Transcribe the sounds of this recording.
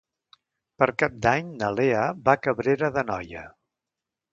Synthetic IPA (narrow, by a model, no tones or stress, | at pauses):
pəɾkap̚d̪aɲnəleəbakəβɾeɾəðənɔ̰jə̰